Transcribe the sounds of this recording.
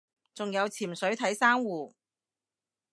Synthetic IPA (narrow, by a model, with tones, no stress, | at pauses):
t͡sʊ˨ŋjɐ˨˧wt͡sʰiː˨˩msɵ˨˥ɥt̪ʰɐ˨˥jsaː˥ŋwuː˨